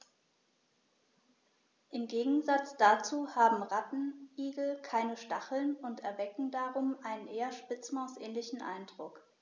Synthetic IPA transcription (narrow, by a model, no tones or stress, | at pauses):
ʔɪmɡeːɡŋ̩zat͡sd̥at͡suːhaːbm̩ʁatn̩ʔiːɡl̩kʰaɪnəʃtaχl̩nʊntɛɐvɛkŋ̩daʁʊmʔaɪnənʔeːɐʃpɪt͡smaʊsʔɛːnlɪçn̩ʔa̰ɪndʁʊk